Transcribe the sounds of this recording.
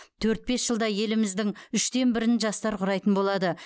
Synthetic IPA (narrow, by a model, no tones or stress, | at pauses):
t̪ʰɵɾt̪̚be̞sʒ̥əlˠd̪ɑje̞lɪmɪzd̪ɪŋʏʃt̪e̞nbɪɾɪnʒɑst̪ɑɾqʰʊɾɑjt̪ənbo̞lˠɑd̪ə